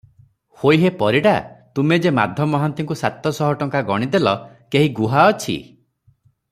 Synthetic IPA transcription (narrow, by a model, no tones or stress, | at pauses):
hojɦepɔɾiɽat̪umed͡ʒema̰d̪ʱjɔmɔɦɔnt̪iŋkusat̪ɔsɔɦɔʈɔŋkaɡɔɽ̃id̪elɔ | keɦiɡuɦaɔt͡ʃʰḭ